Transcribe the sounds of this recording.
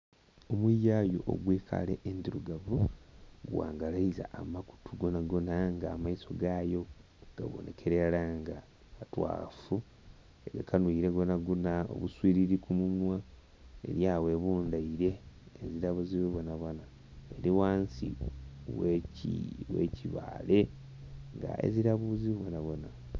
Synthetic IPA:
o̞mwijajo̞̰ʔo̰ɡweːkʰa̰lḛʔendiɾuɡavuɡwa̰ːŋɡalaiza̰ʔːmaku̥tʰuɡonaɡonaŋɡaːmaiso̞ɡaːjo̞ | ɡ̥a̰βo̰ne̞̰kʰe̞ɾelaŋɡaː | twa̰ːfu | eɡakanwuiɾeɡonaɡonao̰βuswiːɾiɾikumuɲwa | e̞̰ɾjaːwe̞βuːndaiɾe̞ːziɾaβuziβuβonaβwona | eɾiwaːnsḭweiwḛcʰiβa̰ːle̞ | ŋɡa̰ḛziɾaβuziββwonaβwona

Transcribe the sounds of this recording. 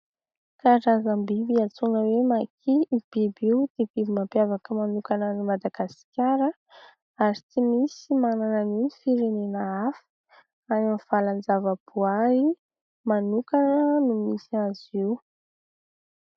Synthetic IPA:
kaɾazambibiat͡sunəwemakʰib̥ibiwd̪̥eb̥ibimapjavakəmanukanənumad̪aɡ̥asi̥kʲaɾə | aɾit͡simisimananəninifiɾenenəafə̥ | anamv̥aland͡zavəb̥uai | manukanənumisiazi

